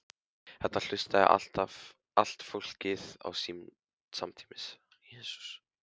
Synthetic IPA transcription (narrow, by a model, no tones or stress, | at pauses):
hɛt̪ːal̥ʏst̪aɛ̰ʔa̰l̥t̪av | al̥t̪fowl̥cɪða̰wsiːm | samt̪ʰi̥mɪs | jɛːsu̥s